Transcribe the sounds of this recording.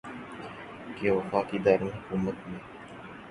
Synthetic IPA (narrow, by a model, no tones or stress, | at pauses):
keːʋəfaːkid̪aːɾnɦʊkuːmət̪mẽː